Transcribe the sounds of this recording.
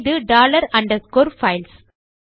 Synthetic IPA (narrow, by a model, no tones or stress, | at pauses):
ðɯɖaːlɐɾɐ̃ɳɖɐskoːɾfɐɪls